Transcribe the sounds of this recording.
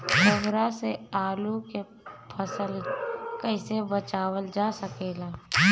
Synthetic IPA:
bʱəɡɾaseaːluke | pʰəsəlkəɪsebət͡ʃaːwəld͡ʒaːsəkeːlaː

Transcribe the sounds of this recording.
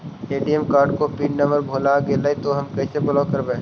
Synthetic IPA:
eːɖijəmkaːɾɖ̚kopiːʈnɐməɾbʱoːlaɡelaːit̪oɦɐmkɛːsebʊlaːkɐɾbẽː

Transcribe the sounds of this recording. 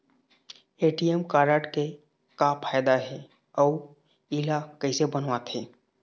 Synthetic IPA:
eːʈijɛmkaːɾəʈke | kapʰaːjd̪aɦɛ | ɔː | ilakəɦɪsebənʋat̪ɦɛː

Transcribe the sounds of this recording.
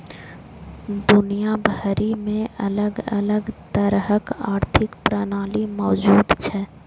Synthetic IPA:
d̪ʊnijabʱəɾimẽʔələɡələɡt̪əɾɦəkaːɾt̪ʰɪkpɾənaːlimɔːd͡ʒuːd̪t͡ʃʰɛ

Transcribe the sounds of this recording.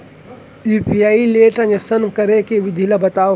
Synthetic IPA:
juːpiaːileːʈɐ̃ɲəsənkɐɾekeʋɪd̪ʱilɐbɐt̪aː

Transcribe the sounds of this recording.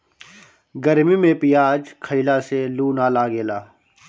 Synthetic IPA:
ɡəɾmimẽpijaːd͡ʒkʰəɪlaseluːnaːlaːɡeːlaː

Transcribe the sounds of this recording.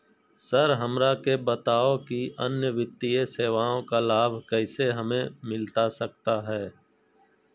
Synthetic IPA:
səɾɦəmɾakebət̪aːokiʔənjəʋɪt̪ːieseːʋaːõkalaːbʱkɛːseɦɐmẽmɪlt̪asəkt̪aɦɛː

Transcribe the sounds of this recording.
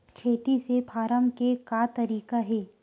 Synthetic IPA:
kʰeːt̪isepaːɾəmkekaːt̪ɐɾiːkaɦɛː

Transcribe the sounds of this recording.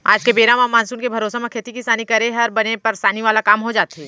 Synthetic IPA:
a̰ːd͡ʒkebeːɾãmamaːnsuːnkebʱɐɾoːsemẽkʰeːt̪ikisaːnikɐɾẽɦɐɾbɐnepɐɾsaːniʋaːlakaːmɦod͡ʒaːt̪iː

